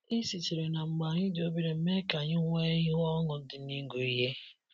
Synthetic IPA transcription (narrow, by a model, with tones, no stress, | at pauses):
i˦si˨ti˨ɾe˨na˨ŋ͡m̩˨ɡ͡ba˨ɲɪ˦do˦bi˦ɾe˨m̩˦me˦ka˨ɲɪ˦ŋʷe˦ji˦ɣɔ˦ŋʊ˨˦dɪ˨ni˦ɡu˨i˦ɦe˦